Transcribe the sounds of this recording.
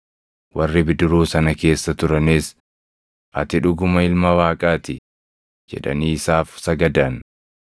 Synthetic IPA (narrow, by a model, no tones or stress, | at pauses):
wɐrːɪbɪd̪ʊɾuːsɐnɐke̞ːsːɐt̪ʊɾɐneːs | ʔɐt̪ɪᶑʊɡʊmɐɪlmɐwaːkʼaːt̪ɪ | d͡ʒɛ̰ᶑɐ̰niːsaːfsɐɡɐd̪ɐn